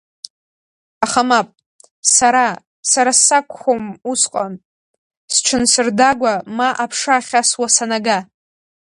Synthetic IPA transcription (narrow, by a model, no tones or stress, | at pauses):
aχamapʼ | saɾa | saɾasakʷʰʼχʷomusqʼan | sʈ͡ʂʰɨnsɨrdaɡʷamaʔapʰʂaχʲaswasanaɡa